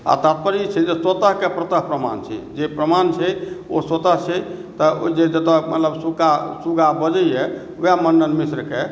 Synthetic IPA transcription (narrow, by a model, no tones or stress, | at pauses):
a̰t̪at̪̚pəɾit͡ʃʰɛd͡ʒeswət̪əɦkepɾət̪əɦpɾəma̰nt͡ʃʰɛ̰d͡ʒepɾəmant͡ʃʰɛoswət̪əɦt͡ʃʰɛt̪əd͡ʒed͡ʒət̪əmə̰t̪ləbsukasuɡabəd͡ʒəjɛ | jamənːənmisɾke